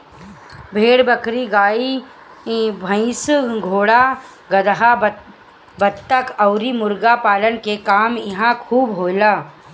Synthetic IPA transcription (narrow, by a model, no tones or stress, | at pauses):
bʱeːɽbɐkɾiɡaːi | bʱə̃ɪ̃sɡʱoːɽa | ɡɐd̪ɦa | bət̪t̪ːəkɐʊɾimʊɾɡapaːlənkekaːmjɐɦãkʰuːbɦoːlaː